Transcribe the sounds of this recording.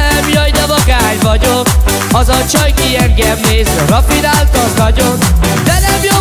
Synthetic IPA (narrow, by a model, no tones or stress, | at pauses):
ɛmjɒjd̪ɛvɒɡaːɲvɒɟok | ɒzɒt͡ʃøjkiɛŋɡɛmneːzøɾɒfinaːlkɒznɒɟond̪ɛnɛmjo